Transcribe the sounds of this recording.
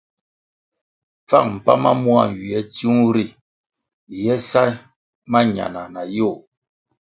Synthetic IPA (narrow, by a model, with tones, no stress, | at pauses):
p͡fa̰˦˨ŋm̩˨pa̰˦ma̰˦mwa̰˦˨ɥi˨ɛ˦tu˦ŋ˦ɾi˨ | jɛ˦sa˦ | ma˦ɲa̰˨na˨na˨jo˦˨